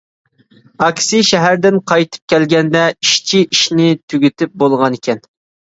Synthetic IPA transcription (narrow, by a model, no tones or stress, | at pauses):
ɑkʲsiʃɛɦæɾd̪ɪnqʰɑjt̪ʰɨ̥p̚kʲɛlɡʲɛnd̪ɛiʃt͡ʃʰiʔiʃnɪt̪ʰyɡʲyt̪ʰɪp̚bolˠʁɑnekʲʰɛn